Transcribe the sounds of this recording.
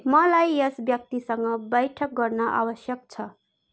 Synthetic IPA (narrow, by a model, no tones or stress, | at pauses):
mʌlajʌsbjʌk̚t̪isʌŋɡʌbʌjʈʰʌk̚ɡʌrnʌʔa̰wʌsjʌk̚t͡sʰʌ